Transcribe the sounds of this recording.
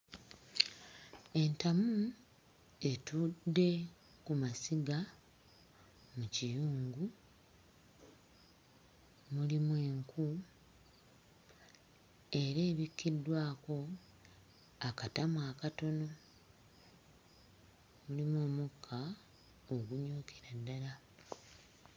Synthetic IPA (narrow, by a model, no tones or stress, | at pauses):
e̞ntamu | e̞tudːe̞ | kumasiɡa | mucijuːŋɡu | mulimwe̞ːŋku | e̞ɾeːβikːidwaːko̞ | akatamwaːkato̞no̞ | mulimwo̞ːmukʰːa | oɡuɲoːkʰe̥ɾadːala